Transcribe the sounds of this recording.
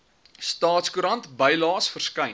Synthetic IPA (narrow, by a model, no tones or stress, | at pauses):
stɑːtskuɾɐntbəjlɑːsfərskɐjn